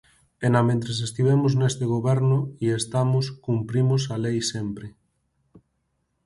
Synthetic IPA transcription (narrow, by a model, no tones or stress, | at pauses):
enamẽnt̪ɾesest̪iβ̞emoznest̪eɣ̞oβɛɾnʊiest̪amoskumpɾimos̬alejsempɾe